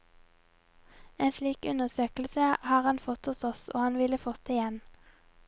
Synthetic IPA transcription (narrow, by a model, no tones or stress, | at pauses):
eːnsliːkʉnəʁsøːkl̩səʔhɑːʁhɑnfɔt̪hʊsɔso̰ːhɑnʋɪləfɔt̪ɪjɛn